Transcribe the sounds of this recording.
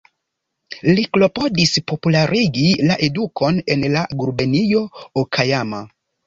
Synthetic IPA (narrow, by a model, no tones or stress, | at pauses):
liklo̞po̞dispo̞pulaɾiɡilaʔe̞duko̞ne̞nlaɡuɾbenijo̞okʰajama̰